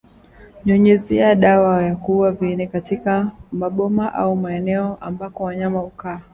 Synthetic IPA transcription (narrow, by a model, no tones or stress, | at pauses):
ɲɔɲɛziaɗawajakuwavinɛkatikamaɓɔmaʔa̰umaɛnɛɔʔambakɔwaɲamahukaː